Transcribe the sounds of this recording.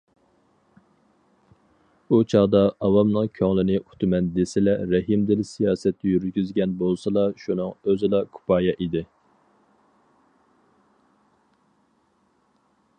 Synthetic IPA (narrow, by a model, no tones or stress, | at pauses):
ut͡ʃʰɑʁd̪ɑɑwɑmnɨŋkʲʰøŋlˠɪnɪʔu̥t̪ʰɨmɛnd̪esɪlɛɾɛɦimd̪ɪlsijɑːsɛt̪ːɛjyɾɡʲyzɡʲɛnbolˠsɑlˠɑʃunɨŋøzɪlˠɑkʰu̥pʰɑːjɛʔid̪ɪ